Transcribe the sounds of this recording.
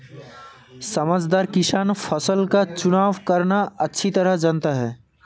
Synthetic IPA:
sɐməd͡ʒd̪aːɾkɪsaːnpʰəsəlkat͡ʃʊnaːʋkəɾnaɐtːʃʰit̪əɾəɦd͡ʒənt̪aɦɛː

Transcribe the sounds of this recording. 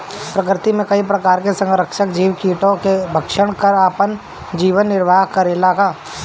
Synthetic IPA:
pɾɐkɾɪt̪imẽkɐip̬ɾɐkaːɾkesɐ̃ŋɡɾəkʃəkd͡ʒiːʋkiːʈõkebʱɐkʃəɽ̃kɐɾaːpən | d͡ʒiːʋənːɪɾʋʱaːɦkɐɾelaːkaː

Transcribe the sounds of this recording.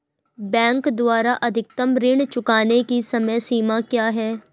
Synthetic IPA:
bɛ̃ːŋkd̪waːɾaʔɐd̪ʱɪk̚t̪əmɾɪɳ̃t͡ʃʊkaːnekisɐməjsiːmakjaːɦɛː

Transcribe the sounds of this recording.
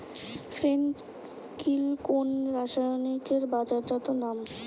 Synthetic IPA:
fɾen | kʰilkonɾaʃajnikeɾbad͡ʑad͡ʑɔt̪onam

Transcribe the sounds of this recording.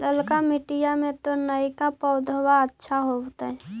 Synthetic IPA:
ləlkamɪʈijamẽt̪onəikapəʊd̪ʱəwaətːʃʰaɦot̪aɦɛ

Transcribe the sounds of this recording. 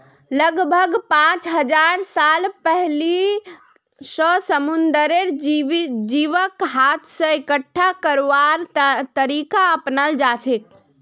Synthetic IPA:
ləɡbʱəɡpãt͡ʃɦəd͡ʒaɾsalpɛɦli | səsəmund̪əɾeɾ | d͡ʒiʋəkɦat̪ʰsə̃ekəʈʰːakəɾʋaɾt̪əɾikaəpnəld͡ʒat͡ʃʰek

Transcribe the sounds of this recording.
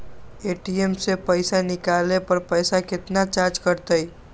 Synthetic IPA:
eʈiemsepəɪsanikalepəɾpəjsaket̪nat͡ʃaɾd͡ʒkəɾt̪əj

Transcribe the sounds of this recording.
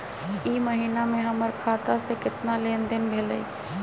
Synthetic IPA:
iməɦiːnamẽɦəməɾkʰaːt̪asekɪt̪naleːnd̪ɪnbʱeːləi

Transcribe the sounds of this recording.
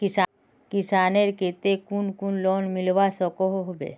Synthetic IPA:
kɪsa | kɪsaːneɾket̪ekunkunlɔnmɪlʋasɔkɔɦoɦbḛ

